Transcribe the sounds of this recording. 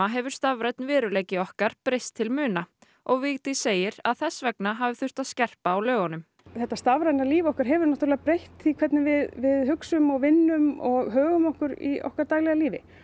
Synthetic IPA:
aɦɛvʏɾ̥st̪avɾajt̪nvɛːɾʏleːjcɪɔhkaɾ̥pɾejst̪ʰːɪlmʏːna | ʔɔɣvɪɣt̪iseːjɪɾa̰ðθɛsːvɛknaɦavɪθʏr̥t̪aðscɛr̥paːwlœːɣanʏm | θɛht̪ːast̪avɾajnaliːvɔhkaɾɦɛvʏɾnat̪ɾlɪɣapɾejht̪θikʰv̥ɛt̪nɪmvɪðvɪðɦʏksʏmɔɣvɪnːʏmɔɣɦœːɣʏmɔhkʏɾḭɔ̰hkaɾt̪aːjlɛɣaliːvɪ̰

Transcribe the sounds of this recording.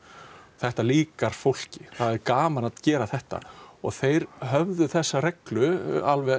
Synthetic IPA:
θɛht̪aliːkaɾ̥fowl̥cɪθaðɛɾkaːmanaðcɛːɾaθɛht̪a̰ɔɣθejɾɦœvðʏθɛsːarɛklʏalvɛ

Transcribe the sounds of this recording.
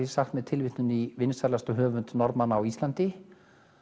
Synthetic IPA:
saxt̪mɛðt̪ʰɪlvɪht̪nʏnivɪnsaɾlast̪ɔɦœːvʏnt̪nɔɾtmanːaːwislant̪ɪ

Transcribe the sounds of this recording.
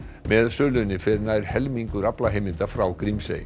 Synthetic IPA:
mɛðsœːlʏnːɪfɪɾnaɾ̥hɛlmiŋkʏɾaplaɦejmɪnt̪afɾawkɾimsḛj

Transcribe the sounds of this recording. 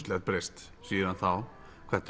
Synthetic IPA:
t̪lɛt̪̚bɾɛst̪ | siːəɾanθal | kʰɛt̪

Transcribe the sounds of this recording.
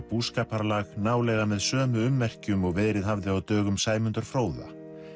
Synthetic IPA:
puːskaːpaɾlaɣnaːwlɛɣamɛðsœːmʏʏmːɛr̥cʏmɔɣvɛːðɾɪðɦavðɪawt̪œːɣʏmsaːjmʏnt̪ʏɾ̥fɾoːwða̰

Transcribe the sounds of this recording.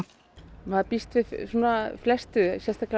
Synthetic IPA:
maðpist̪vɪðsuːnaflɛst̪ʏsjɛst̪akla

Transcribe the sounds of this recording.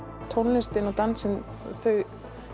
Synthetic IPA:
t̪ʰownːɪst̪ɪnɔt̪ansɛn | θœɥɣ

